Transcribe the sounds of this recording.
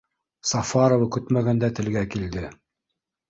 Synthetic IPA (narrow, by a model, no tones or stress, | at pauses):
sɑfɑɾovɤkɵt̪mæɡænd̪æt̪ɘ̆lɡækild̪ɘ